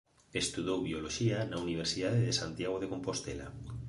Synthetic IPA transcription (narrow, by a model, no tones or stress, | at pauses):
est̪uðowβioloʃianauniβ̞eɾsiðaðeðesant̪jaɣ̞oðekompost̪ela̰